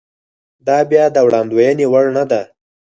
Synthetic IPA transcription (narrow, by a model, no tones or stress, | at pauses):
d̪ɑbjɑd̪əwɽɑnd̪wajənewaɽnad̪a